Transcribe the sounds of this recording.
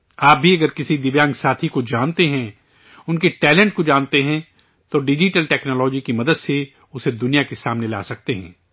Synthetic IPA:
aːp̚bʱiɐɡəɾkɪsid̪ɪʋjãːŋɡsaːt̪ʰikod͡ʒaːnt̪eɦɛ̃ | ʊnkeʈɛːlɛ̃ɳʈ̚kod͡ʒaːnt̪eɦɛ̃ | t̪oɖɪd͡ʒiʈəlʈɛːknɔːlɔːd͡ʒikimɐd̪əd̪se | ʊsed̪ʊnijakesaːmnela̰ːsɐk̚t̪eɦɛ̰̃ː

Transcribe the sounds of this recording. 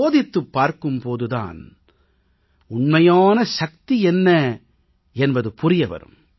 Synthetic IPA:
oːðɪt̪ːɯpːaːɾkɯmpoːðɯða̰ːn | ʊɳmɐjaːnɐʃɐk̚t̪iɛnːɐ | ɛnbɐðɯpʊrɪjɐʋɐ̰ɾɯ̰m

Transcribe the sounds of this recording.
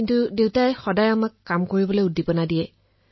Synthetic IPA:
intudewtajxɔdajamakːamkoɹibɔlojudːipɔnadijɛ

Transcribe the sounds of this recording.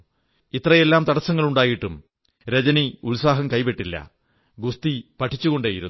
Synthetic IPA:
it̪ːrɐje̞lːaːmt̪ɐɽɐsːɐŋːɐɭuɳɖaːjiʈːum | ɾed͡ʑɐniuɭsaːɦɐmkɐjpeʈːilːɐ̰ | ɡust̪ipɐʈʰːit͡ɕːuɣo̞ɳɖaːjiɾṵ

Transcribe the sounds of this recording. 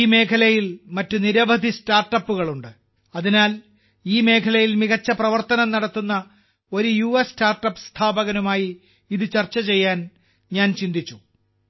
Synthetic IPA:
iːme̞ːkʰɐlɐjilmɐtːuniɾɐbɐd̪ʱistaːrʈːɐpːuɣɐɭuɳɖɨ | ɐðinaːl | iːme̞ːkʰɐlɐjilmiɣɐt͡ɕːɐprɐʋɐrt̪ɐnɐmnɐɽɐt̪ːunːɐ | o̞ɾujuʋɐstaːrʈːɐpːst̪ʰaːbɐɣɐnumaːji | iðɨt͡ɕɐrt͡ɕːɐt͡ɕe̞jːaːn | ɲaːnt͡ɕind̪it͡ɕːu̥

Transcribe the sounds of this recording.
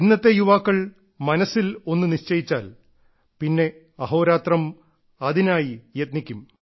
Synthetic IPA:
inːɐt̪ːe̞juʋaːkːɐɭ | mɐnɐsːilo̞nːuniɕt͡ɕɐjit͡ɕːaːl | pinːe̞ | ɐɦo̞ːɾaːt̪rɐm | ɐðinaːjijɐt̪̚nikʲːum

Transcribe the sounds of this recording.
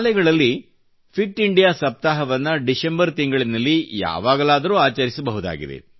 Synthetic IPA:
lɛɡɐɭɐlːi | pʰik̚ʈiɳɖijaːsɐp̚t̪aːɦɐʋɐnːɐɖisembɐɾt̪iŋɡɐɭinːɐlːija̰ːʋaːɡɐlaːd̪ɐɾuːaːt͡ʃɐɾisɐbɐɦud̪a̰ːɡḭd̪e̞̰

